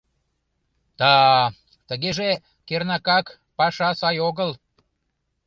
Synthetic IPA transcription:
t̪ɑ | t̪əɣeʒe | kernɑkɑk | pɑʃɑsɑjoɣəl

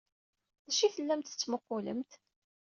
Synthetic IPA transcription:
ðæʃiθəlːæmt̪ə̥t͡sːməqːʊlə̰mt̪

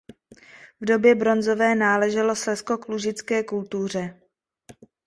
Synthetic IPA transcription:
vdo̞bjɛbɾo̞nzo̞vɛːnaːlɛʒɛlo̞slɛsko̞kluʒɪt͡skɛːkult̪ur̝ɛ

